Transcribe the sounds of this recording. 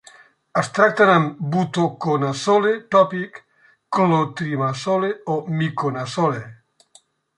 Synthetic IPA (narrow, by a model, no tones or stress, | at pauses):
ast̪ɾak̚t̪anambut̪okonasolet̪ɔpikː | lot̪ɾimasoleomikonasole